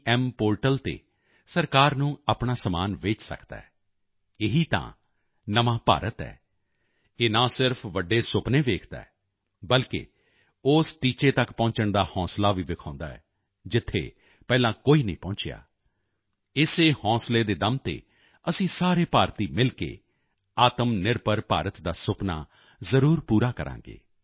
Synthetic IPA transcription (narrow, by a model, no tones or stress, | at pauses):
ɛmpoːɾʈəlt̪ḛː | səɾkaːɾnũːaːpɳaːsəmaːnʋeːt͡ʃsə̰kd̪a̰ːɛː | ɪɦiːt̪ã̰ː | nəʋãːpa̰ːɾət̪ɛ̰ː | eːnãːsɪɾpʰʋəɖːeːsʊpneːʋeːkʰd̪a̰ːɛː | bəlkḛː | ʊːsʈiːt͡ʃeːt̪əkpɔ̃ːɲt͡ʃəɳd̪aːhɔ̃ːslaːʋiːʋɪkʰãːʊ̃nd̪a̰ːɛ̰ː | d͡ʒɪt̪ʰːḛː | pɛːlãːkoːiːnəĩːpɔ̃ːɲt͡ʃja̰ː | ɪseːhɔ̃ːsleːd̪eːd̪əmt̪ḛː | əsĩːsaːɾeːpaːɾt̪iːmɪlkḛː | aːt̪əmnɪɾpəɾpa̰ːɾət̪d̪aːsʊpna̰ː | zəɾuːɾpuːɾaːkəɾʔã̰ːŋɡḛː